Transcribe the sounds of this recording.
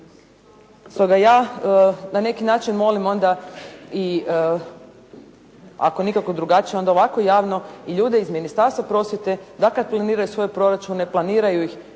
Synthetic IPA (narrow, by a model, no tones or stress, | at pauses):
st̪oɡajaː | nane̞kinaːt͡ʃinmo̞limo̞nd̪ai | a̰ko̞nikako̞d̪ɾuɡat͡ʃijeond̪ao̞ʋako̞jaːʋno̞iʎuːd̪eizminist̪aɾst̪ʋapɾo̞sʋʲjet̪e̞d̪akad̪̚plˠaniːɾajusʋo̞jepɾo̞ɾat͡ʃune̞plˠaniːɾajuix